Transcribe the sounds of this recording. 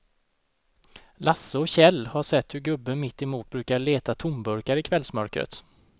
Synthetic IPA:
lasːəɔɕɛlːhaʂɛt̪ːhɵɾɡɵbːəmɪt̪ːɛmuːt̪̚bɾʉ̟ːkaɭeːt̪at̪ʰʊmbɵɾkaɾɪkʰvɛlsmœɾkɾə̰t̪

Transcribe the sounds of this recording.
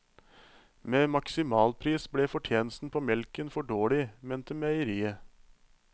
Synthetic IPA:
meːmɑksɪmɑːlpʰɾiːsbɽeːfɔʈʰjeːnəst̪n̩pʰoːmɛlkənfɔɖoːɭɪmeːnt̪əmæɪəɾiːə

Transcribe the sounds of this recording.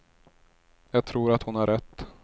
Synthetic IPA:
jɑːɡ̚t̪ʰɾuːɾat̪hʊnhaɾʔɛt̪ː

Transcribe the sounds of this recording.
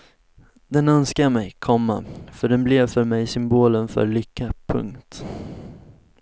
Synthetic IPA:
d̪ɛnœnskamɛjkʰɔmːafœɖɛnblɛvfœɾmɛjsʏmboːlənfœ̰ɾɭʏkːapʰɵ̰ŋkt̪

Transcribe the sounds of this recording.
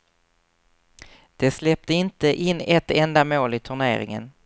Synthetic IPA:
d̪̥ɛslɛp̚t̪əɪnt̪əʔɪnːɛt̪ːɛnd̪amoːlɪt̪ʰɵɳḛːɾɪ̰ŋə̰n

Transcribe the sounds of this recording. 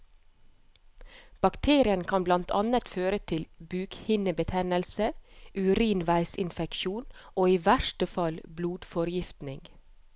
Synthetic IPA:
b̥ɑkt̪ʰeːɾɪənkʰɑnblɑnt̪ʰɑnət̪føːɾət̪ʰɪlbʉːkhɪnəbət̪ʰɛnəlsəʔʉɾiːnʋæɪsɪnfɛkʃuːnʔoːiːʋæʃʈəfɑlbluːd̪̥fɔɾjɪft̪nɪŋɡ

